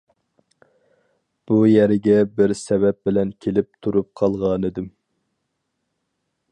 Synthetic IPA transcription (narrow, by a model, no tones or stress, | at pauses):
b̥ujɛɾɪɡʲɛbɪɾsɛvɛp̚bɪlɛnkʲʰelɪp̚t̪ʰuɾup̚qʰɑlˠʁɑnɨd̪ɪm